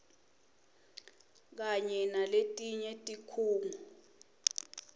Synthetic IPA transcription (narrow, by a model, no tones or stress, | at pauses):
k̬aɲɛnaletʼiɲɛtʼikʰuːŋu